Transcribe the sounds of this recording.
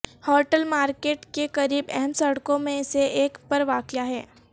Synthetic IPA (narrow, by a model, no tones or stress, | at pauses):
hɔːʈəlmaːɾkeːʈkekɐɾiːbɛɦɛmsɐɽkõmẽɪseʔeːkpɐɾʋaːkɪjaɦɛː